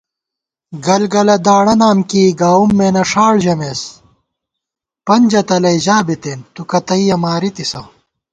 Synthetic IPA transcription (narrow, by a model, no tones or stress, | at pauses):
ɡɐlɡɐlɐd̪aːɽɐnaːmkiːɡaːumːeːnɐʂaːɭʑɐmes | pɐnd͡ʑɐt̪ɐlɐiʑaːbit̪eːnt̪ukɐt̪ɐijɐmaːɾit̪isɐ